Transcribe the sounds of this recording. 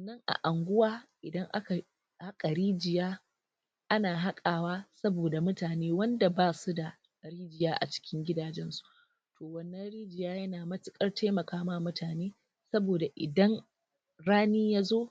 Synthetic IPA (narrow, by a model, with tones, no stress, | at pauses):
wɐ˨nːɐ˦ŋʔa̰˨ʔa˨ŋɡʷʊ˦waː˦ʔɪ˨dɐ˦ŋʔa˦ka˨ | ha˦kʼa˨ɽiː˦d͡ʒɪ˨jaː˦ | ʔa˦naː˨ɦa˦kʼaː˨waː˦sɐ˦boː˨da˨mʊ˦taː˨neː˦wɐ˦nda˨baː˦su˦da˨ | ɽiː˦d͡ʒɪ˨jaː˦ʔa̰˨t͡ʃɪ̥˦kʲɪ˦ŋɡʲɪ˦daː˨d͡ʒɛ˦nsu̥˦ʔ | tʰoː˨wɐ˦nːɐ˦nɽiː˦d͡ʒɪ˨jaː˦jɐ˦naː˨mɐ˦tɪ˦kʼɐ˦rta˦mɐ˨kaː˦maː˦mʊ˦tʰaː˨neː˦ | sɐ˦boː˨da˨ʔɪ̰˨dɐ˦ŋ | ɽaː˦niː˦jaː˦zoː˦